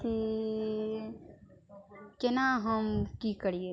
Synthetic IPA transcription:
ti | kɪnaɦəmkikəɾije

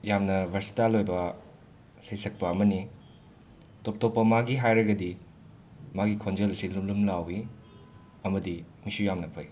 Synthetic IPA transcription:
jamnɐbʱɐɾsi̥talojbɐ | sejsɐk̚pɐɐmɐni | top̚topːɐmaɡiɦajɾɐɡɐdi | maɡikʰond͡ʒɐlɐsilumlumlawi | ɐmɐdimisujamnɐpʰɐj

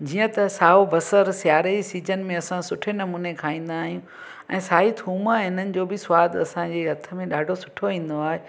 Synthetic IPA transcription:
d͡ʑiːə̃t̪ɐsaːobɐsəɾsjaːɾesiːd͡ʑənmẽɐsãsʊʈʰenɐmuːnekʰaːĩːn̆d̪aːɦijũ | ɛ̃ːsaːɦit̪ʰuːməɦɪn̤ənɪ̆d͡ʑoːbɪsʊʋaːd̪ɐsãd͡ʑeːɦɐt̪ʰə̆mẽɗaːɖʱosʊ̥ʈʰoʋĩːn̆d̪oaːɦe

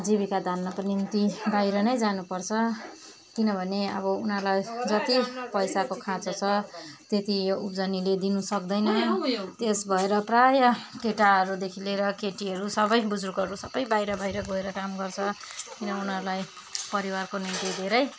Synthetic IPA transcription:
d͡zibikad̪ʱanːʌpnint̪ibajɾʌnʌjd͡zanupʌrt͡sʰʌ | kinʌbʱʌneʌ̰βʌunʌɾulajd͡zʌt̪ipʌjsakokʰãt͡sʌt͡sʰʌt̪et̪ijoupd͡zʌniled̪inusʌk̚d̪ʌjnʌt̪esbʱʌeɾʌprajʌkeʈaɦʌɾud̪ekʰileɾʌkeʈiɦʌɾusʌbʌjbud͡zukʌɾusʌbʌjbajɾʌbajɾʌɡoeɾʌkamɡʌrt͡sʰʌkinʌunɦʌɾulaj | pʌɾiwarkonint̪id̪ʱeɾʌj

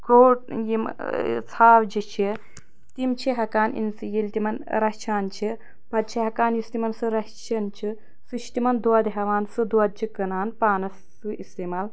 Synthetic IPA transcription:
koːʈ̚jimt͡sʰaːwd͡ʒit͡ʃʰi | t̪imt͡ʃʰiɦɐkaːnḭnsɨjilʲt̪imɐnɾɐt͡ʃʰaːnt͡ʃʰi | pɐt̪̚t͡ʃʰiɦɐkaːnjist̪imɐnsɨɾɐt͡ʃʰɐnt͡ʃʰi | sɨʃʰt̪imɐnd̪wɐd̪ɦɐʋaːnsɨd̪uɐd̪̚t͡ʃʰikɐnaːnpaːnɐsːɨist̪eːmaːl

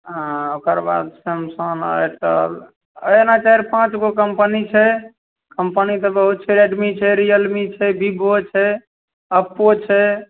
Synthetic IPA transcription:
ɦãokəɾba̰d̪səmsənə̰ʈə̰l | ənat͡ʃaɦiɾpãt͡ʃɡokəmpənit͡ʃʰɛ | kəmpənit̪ɔbəɦut̪̚t͡ʃʰɛɾeɖmit͡ʃʰɛɾijəlmit͡ʃʰɛbibot͡ʃʰɛ | əpːot͡ʃʰɛ

